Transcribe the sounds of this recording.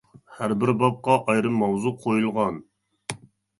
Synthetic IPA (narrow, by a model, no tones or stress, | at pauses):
hæɾbɪɾbɑp̚qɑʔɑjɾɨmːɑwzuqʰojulˠʁɑn